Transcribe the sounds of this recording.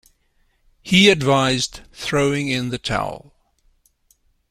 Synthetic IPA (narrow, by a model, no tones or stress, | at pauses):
hiɨdvaɪzdθɹoʊɪ̃ŋɪ̃nðɨtʰa̰ʊlˠ